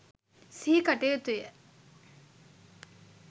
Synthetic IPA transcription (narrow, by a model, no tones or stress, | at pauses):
siːkɐʈeːt̪uje